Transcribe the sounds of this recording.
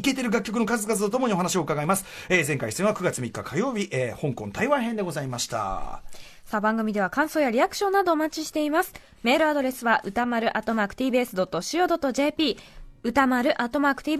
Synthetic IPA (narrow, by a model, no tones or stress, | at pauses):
ike̞t̪e̞ɾɯ̟ɡakʲːokɯno̞kazɨkazɨt̪ot̪o̞mo̞ɲio̞ɦanaɕ̬io̞ɯ̟kaɡaimasɨ̥eːzẽ̞ŋkaisẽɰ̃βakɯ̟ɡat͡sɨmʲikːakʰajo̞ːbʲiʔeːhõ̞ŋkõ̞nt̪aiβãɰ̃ɦend̪e̞ɡo̞zaimaɕi̥t̪a̰ | sabãŋɡɯ̟mʲid̪e̞β̞akãɰ̃so̞ːjaɾʲiakɯ̟ɕõnːad̪o̞ːmat͡ɕiɕi̥t̪e̞imasɨ̥ | me̞ːɾɯ̟ad̪o̞ɾe̞sɨβaʔɯ̟t̪amaɾɯ̟ʔat̪ːo̞maːkɯ̟t̪ʲiːbɯesɨd̪o̞t̪ːo̞ɕio̞ːd̪o̞t̪ːoʑe̞ːpʲiːɯ̟t̪amaɾɯ̟ʔat̪ːo̞maːkɯ̟̥t̪ʲiː